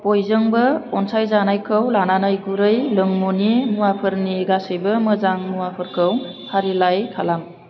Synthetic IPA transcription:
pojzɯŋbɯɔnsajzanajkʰɯwlananajɡuɾɯjlɯŋmunimuwapʰɯɾniɡasɯjbɯmɯzaŋmuwapʰɯɾkʰɯw | hʰaɾilajkʰalam

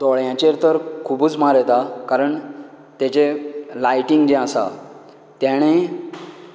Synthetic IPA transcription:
d̪ɔɭjãt͡ɕeɾt̪əɾkʰubuːt͡smaɾɛt̪akaɾəɳ | t̪jat͡ɕelajʈiŋɡd͡ʑẽasa̰ | t̪jaɽ̃ẽ

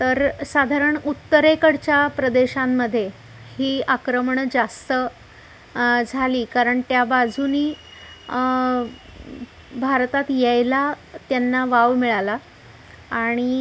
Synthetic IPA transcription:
t̪əɾsad̪ʱaɾəɳut̪ːəɾekəɽt͡ɕjapɾəd̪eɕamːəd̪ʱːje | hiːakɾəmɳd͡zast̪ə | d͡zʱaliːkaɾəɳt̪jabad͡zʱuniː | bʱaɾt̪at̪jejla | t̪janːaʋaʋmiɭala | aɽ̃i

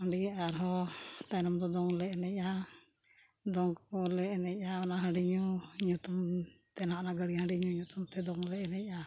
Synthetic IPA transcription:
əɳɖiaɾɦɔt̪ajnɔmd̪ɔd̪ɔŋlɛʔɛnɛc̚ˀa | d̪ɔŋkkɔlɛʔnɛc̚ˀaɔnaɦəɖiɲuɲut̪umt̪ɛnaʔnaɡəɽiɦãɳɖiɲuɲut̪umt̪ɛd̪ɔŋlɛʔɛnɛc̚ˀa

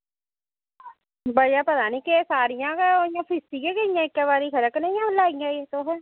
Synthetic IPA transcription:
bəiaːpət̪aːniːkɪsaːɾɪjãːkaːojãːpʰɪsiːɡeːɡəijãːɪkːaːbaːɾiːkʰəɾəknəijãːlaːɡijãːeːt̪õːɦɛː

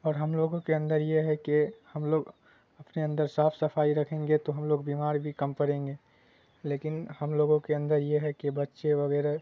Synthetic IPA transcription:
ɔːɾɦəmloːɡõkeə̃nd̪əɾjeɦɛkehəmloːɡ | ɐpneə̃nd̪əɾsaːpʰsəpʰaːiɾɐkʰẽːŋɡet̪oɦəmloːɡbimaːɾbʱikəmpəɾẽːŋɡeː | leːkɪnhəmloːɡõkeə̃nd̪əɾjeɦɛkebətːʃeʋəɣɛːɾa

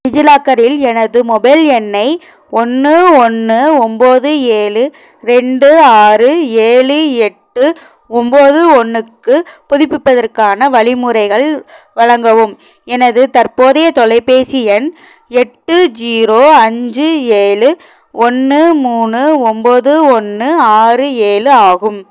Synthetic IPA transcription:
ɪd͡ʒɪlaːkːɐɾɪlɛnɐðɯmɔbɐɪlɛnːɐɪ | ɔnːɯɔnːɯɔmboːðɯeːɭɯ | ɾɛɳɖɯaːrɯeːɭɯɛʈːɯ | ɔmboːðɯɔnːɯkːɯpʊðɪpːɪpːɐðɐrkaːnɐʋɐɭɪmɯɾɐɪɣɐɭ | ʋɐɻɐŋɡɐʋɯm | ɛnɐðɯt̪ɐɾpoːðɐjɐt̪ɔɭɐɪpeːsɪɛn | ɛʈːɯd͡ʒiːɾoːɐɲd͡ʒɯeːɭɯ | ɔnːɯmuːnɯɔmboːðɯɔnːɯaːrɯeːlɯaːɣɯm

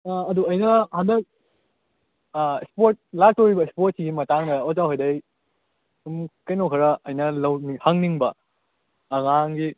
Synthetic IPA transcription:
ɐduɐjnɐhandɐk̚ | ispoɾt̚lastoɾibɐispot̚siɡimɐtaŋdɐozawɦojdɐj | umkɐjnowkʰɐɾɐʔɐjnɐlɐwnihaŋniŋbɐː | ŋaŋɡi

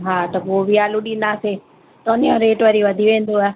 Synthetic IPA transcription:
ɦaːt̪ɐpoːʋiaːlʊɗinaːse | t̪oːnijãɾeːʈʋəɾiʋɐd̪ʱiʋẽːnd̪oaː

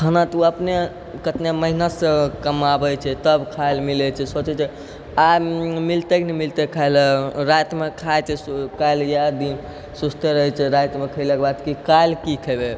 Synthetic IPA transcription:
kʰənat̪uəpne | kət̪neməɦinasẽkəmabəjt͡ʃʰɛt̪əbkʰajlmilɛt͡ʃʰɛsot͡ʃɛt͡ʃʰɛ | amilt̪eknɛmilt̪ekʰajlɾat̪mekʰajt͡ʃʰɛkajljad̪in | sust̪eɾəɦɛt͡ʃʰɛɾat̪mekʰəjlekebad̪kikajlkikʰəjbe

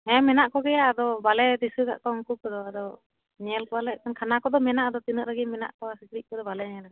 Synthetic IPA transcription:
ɛ̃mɛnaʔkɔɡɛjaːd̪ɔbalɛd̪isuka̰ʔkɔɔŋkukɔd̪ɔad̪ɔ | ɲɛɛlkɔalɛkankʰanakɔd̪ɔmɛnaʔad̪ɔt̪inəʔlaɡimɛna̰ʔkɔasikɾiʔ̚kɔd̪ɔbalɛɲɛɛlaɡa

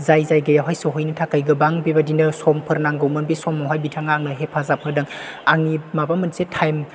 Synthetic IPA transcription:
zajzajɡɐjawɦajsoɦɔjnɐtʰakajɡɯbaŋbibadinɐsɔmpʰɯɾnaŋɡɯwmɐnbisɔmɔwɦajbitʰaŋaŋnɯɦepʰazapʰɯɾdɐŋaŋimabamɯnsetʰajm

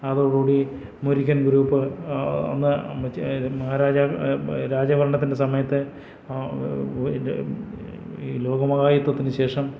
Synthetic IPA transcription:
ɐðoɽuːɽi | muɾikʲːɐnɡuɾuːpːɨo̰nːɨ | mɐɦaːɾaːd͡ʑaɾaːd͡ʑɐʋɐɾɐɳɐt̪ːinde̞sɐmɐjɐt̪ːɨ | lo̞ːɡɐmɐɣaːjit̪ːwɐt̪ːinɨɕe̞ːʂɐm

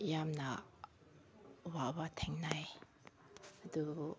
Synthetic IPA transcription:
jamnɐ | wabatʰɛŋnaj | ɐdu

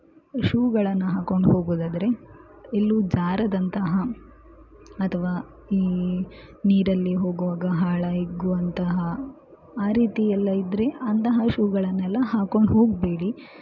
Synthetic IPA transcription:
ʃuːɡɐɭɐnːɐɦaːko̞ɳɖɦo̞ːɡuːd̪aːd̪ɐɾe̞ | elːud͡ʒaːɾɐd̪ɐnt̪ɐɦɐ | ɐt̪ʰɐʋaː | iː | niːɾɐlːiɦo̞ːɡuʋaːɡɐɦaːɭɐjiɡuʋɐnt̪ɐɦɐ | aːɾiːt̪ijɐlːɐid̪ɾe̞ɐnt̪ɐɦɐʃuːɡɐɭɐnːɛlːɐɦaːko̞ɳɖɦo̞ːɡbeːɽi

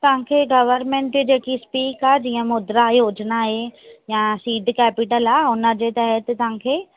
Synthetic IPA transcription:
t̪ɐʋɦãkʰeːɡɐʋəɾmẽːɳʈid͡ʑeːkispiːkad͡ʑiːə̃mʊd̪ɾajoːd͡ʑnaɦejasiːɖkɛːpɪʈəlaʊnə̆d͡ʑet̪əɦət̪t̪ɐʋ̤ãkʰeː

